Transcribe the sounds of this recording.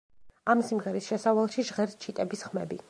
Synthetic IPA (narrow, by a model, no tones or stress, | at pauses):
amsimʁɛɾisʃɛsavalˠʃiʒʁɛɾt͡ʃʰit̪ʼɛbisχmɛ̰bḭ